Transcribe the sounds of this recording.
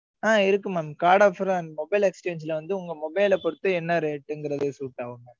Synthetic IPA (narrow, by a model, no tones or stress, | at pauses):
aːɪɾɯk̬ːɯmɐːnmkaːɽɐfɾɐ̃nmɔbɐɪlɛkst͡ʃeːnd͡ʒɪlɐʋɐnd̪ɯʊŋɡɐmɔbɐɪlɐpɔɽɯt̪ːɯɛnːɐɾeːʈːɛŋɡɪɾɐðesuːʈːaːʋɯŋɡɐ